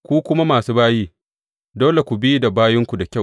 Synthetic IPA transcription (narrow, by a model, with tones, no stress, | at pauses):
kʷuː˦kʷʊ˦ma˦maː˨suː˦baː˦jiː˦ | doː˦le˨kʷu˨bi˦da˨baː˦jɪ˦ŋkʷu˨da˨kʲa˦˨